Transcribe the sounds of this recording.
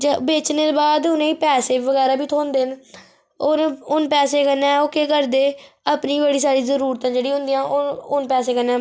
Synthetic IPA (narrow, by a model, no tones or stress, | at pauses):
d͡ʒbeːt͡ʃneːt̪ːbaːd̪ʊnẽːiːpɛːseːʋəɡɛːɾaːbiːt̪ʰoːnd̪eːn | onʊnpɛːseːkənːɛ̃ːoːkeːkəɾd̪eːəpniːbeːɽiːsaːɾiːzəɾuːɾt̪ãːd͡ʒeːɽiːɦʊ̃nd̪ijãːʔooːnpɛːseːkənːɛː